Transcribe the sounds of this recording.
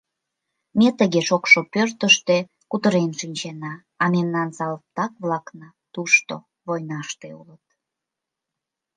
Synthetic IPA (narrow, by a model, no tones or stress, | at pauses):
met̪əɣeʃokʃopørt̪əʃt̪e | kut̪əɾenʃinʲt͡ɕenɑː | memnɑnsɑlp̚t̪ɑkβlɑknɑ | t̪uʃt̪o̰ | βojnɑʃt̪eulət̪̚